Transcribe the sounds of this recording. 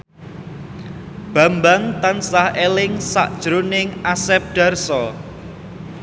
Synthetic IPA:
b̥a̤mbaŋt̪ansahelɪŋsa̰ʔd̥ʒ̥ɾonɪŋʔasɛp̚ɖ̥a̤rsɔ

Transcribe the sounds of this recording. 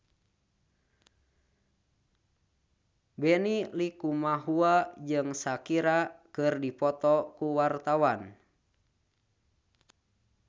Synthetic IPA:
bɛnilikumaɦuad͡ʒɨŋsakiɾakɨrdipɔt̪ɔkuwart̪awan

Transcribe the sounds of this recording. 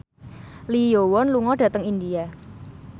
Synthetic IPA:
lijowɔnluŋɔɖ̥ä̤t̪əŋind̪ia

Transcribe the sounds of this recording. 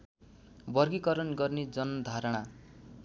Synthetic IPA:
bʌrɡikʌɾʌnɡʌrned͡zʌnʌd̪ʱaɾʌɽ̃a

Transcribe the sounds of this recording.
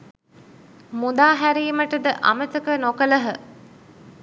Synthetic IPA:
mud̪aːɦæɾiːməʈəd̪əʔɐ̰mət̪əkənokələɦə

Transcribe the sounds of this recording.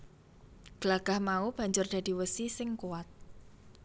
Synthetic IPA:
ɡ̥əlaɡ̥a̤hmaub̥a̤ɲd͡ʒʊrd̪̥a̤d̪̥i̤wəsisɪŋkuwat̪̚

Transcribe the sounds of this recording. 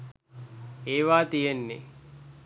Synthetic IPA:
eːʋaːt̪ijenːe

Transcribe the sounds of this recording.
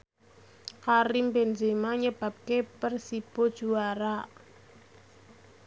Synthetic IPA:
kaɾimbend͡ʒemaɲəb̥a̤p̚kepərsib̥o̤d̥ʒ̥uaɾa

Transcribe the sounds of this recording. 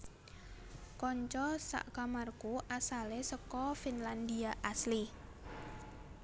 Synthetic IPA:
kɔɲt͡ʃɔsa̰ʔkamarkuʔasalesəkɔfinland̪iaʔasli

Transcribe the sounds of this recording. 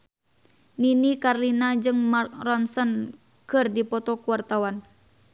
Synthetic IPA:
ninikarlinad͡ʒɨŋmakrɔnsɔn | kɨrdipɔt̪ɔkuwart̪awan

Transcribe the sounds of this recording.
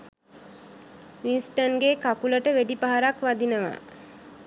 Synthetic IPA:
ʋinsʈənɡekakuləʈəʋeɖipaɦaɾakʋad̪inəʋa̰

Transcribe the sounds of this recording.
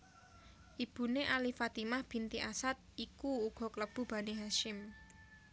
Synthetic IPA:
ʔib̥ṳneʔalifat̪imahb̥i̤nt̪iʔasat̪̚ikuuɡ̥ɔ̤kələb̥ṳb̥a̤niɦaʃɪm

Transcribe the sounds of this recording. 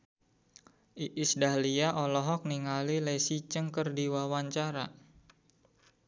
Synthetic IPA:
ʔiʔisdaliaʔɔlɔɦɔk̚niŋalilesit͡ʃəŋkərdiwawaɲt͡ʃaɾa

